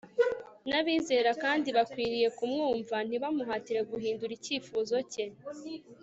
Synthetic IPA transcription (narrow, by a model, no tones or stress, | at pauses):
naβiːze̞ːɾakaːndiβakwiːɾije̞kumŋuːɱvan̥iβamuɦaːtiɾe̞ɡuɦiːnduɾiciːfuːzo̞ce